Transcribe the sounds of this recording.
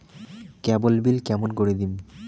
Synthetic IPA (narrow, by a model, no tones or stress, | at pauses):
kɛbolbilkɛmonkoɾid̪im